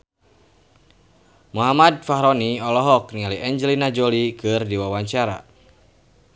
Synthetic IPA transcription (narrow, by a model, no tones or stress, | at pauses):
muɦamad̚faɦɾɔniɔlɔɦɔknialiʔɛɲd͡ʒəlinad͡ʒolikɨrdiwawaɲt͡ʃaɾa̰